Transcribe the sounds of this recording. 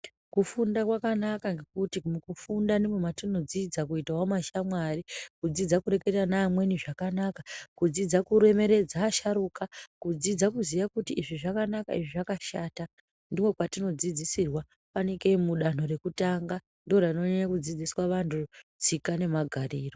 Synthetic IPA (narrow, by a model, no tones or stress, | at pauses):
kufundakwakanakaŋɡe̞kutimukufundanemwematino̞d͡zid͡zakuitawamaʃamwarikud͡zid͡zakuɾe̞ke̞tanaːmwe̞niʐakanakakud͡zid͡zakuɾe̞me̞ɾe̞d͡zaʃaɾuːkakud͡zid͡zakuzijakutiːʐiʐakanakaiʐiʐakaʃaːta | ndimwe̞kwatino̞d͡zid͡zisirwa | paneke̞muɗan̥o̞re̞kutaŋɡa | ndorano̞ɲeɲakud͡zid͡ziswaʋantʰud͡zikane̞maɡʱaɾiːro̞